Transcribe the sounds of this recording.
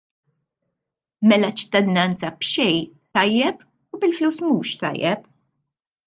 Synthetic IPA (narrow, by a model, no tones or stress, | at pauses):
mɛlɐt͡ʃːɪ̥t̪ːɐd̪ɪnɐnt͡sɐbʃɛjt̪ɐjːɛp | ubɪlfluːsmuːʃt̪ɐ̰jːɛp